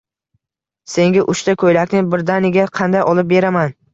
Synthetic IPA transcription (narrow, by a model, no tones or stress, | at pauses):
se̞ŋɡʲɪʔʊʃt̪akʰɵjlakʲnɪbɪɾd̪anɪɡʲaqʰɑnd̪ajɒlˠɪp̚be̞ɾaman